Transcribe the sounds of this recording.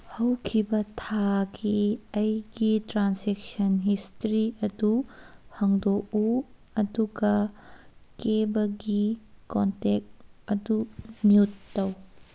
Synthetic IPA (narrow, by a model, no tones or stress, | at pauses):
hɐwkʰibɐtʰaɡiɐjɡitɾansɛk̚sɐnɦistɾiɐduhɐŋdɔʔu | ɐduɡɐ | kebɐɡikɔntɛk̚tɐdumiutːɐw